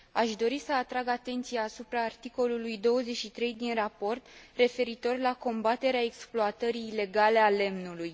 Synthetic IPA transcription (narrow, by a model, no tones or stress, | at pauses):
aʃd̪o̞ɾisəat̪ɾaɡat̪e̞nt̪sijaːsupɾaːrt̪iko̞lulujd̪o̞wəze̞t͡ʃʃit̪ɾe̞jd̪inrapo̞rt̪re̞fe̞ɾit̪o̞rlako̞mbat̪e̞ɾeae̞ksploat̪əɾiːle̞ɡale̞ale̞mnuluj